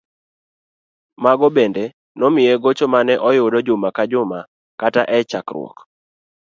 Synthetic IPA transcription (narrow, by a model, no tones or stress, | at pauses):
maɡɔbende | nɔmɪjɛɡot͡ʃomanɛʔɔjʊdɔd͡ʒʊmakad͡ʒʊma | kataʔɛt͡ʃakrw̰ɔ̰k